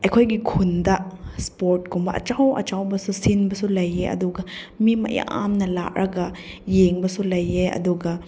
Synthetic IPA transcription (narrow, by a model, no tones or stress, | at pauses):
ɐjkʰojɡikʰundɐspoɾt̚ɡumbɐʔɐ̰t͡ʃawɐ̰t͡ʃawbɐsusinbɐsulɐjːeɐ̰duɡɐ | mimɐ̰ja̰ʔa̰mnɐla̰ʔɾʔɐɡɐ | jeŋbɐsulɐjeɐ̰duɡɐ